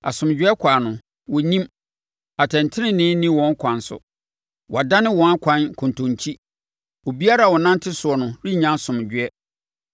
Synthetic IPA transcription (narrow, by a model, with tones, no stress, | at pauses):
a̰˨sʊ̃˨md͡ʑᶣɥɛ˦kʷʰaː˨nʊ̃˨ | wɔ˨nĩ˦m | a˨tʰɛ̃˨n˨tʰɪ˦nɪ̃˦nɪ̃˦nĩ˦wɔ̃˦ŋ˦kʰʷã˨nsʊ̰˦ | wʔɔ˨a˨da˦nɪ̃˦wɔ̃˦na˦kʷʰã˦nkʰʊ̃˨n˨tʰʊ̃˨ɲt͡ɕʰi˦ | wo˨bi˦a˦ɾa˨wɔ˨nã˦n˦tʰɪ˦sʊ˨ɔ˨nʊ̃˨ɾi˦ɲã˦nsʊ̃˨m˨d͡ʑᶣɪ˨˦ɛ˦